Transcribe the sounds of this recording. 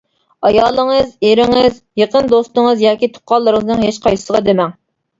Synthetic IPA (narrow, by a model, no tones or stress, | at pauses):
ɑjɑːlˠəŋɨzeɾɪŋɨzjeqənd̪ost̪ɨŋəzjɑːkʲit̪ʰʊ̥qʰɑlˠːəɾɨŋəznɨŋɦeʃqʰɑj̪əʁɑd̪emɛŋ